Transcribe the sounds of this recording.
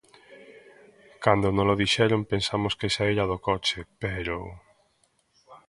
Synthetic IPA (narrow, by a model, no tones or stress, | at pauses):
kand̪onõloðiʃɛɾompensamʊskesaiɾaðokɔt͡ʃepeɾo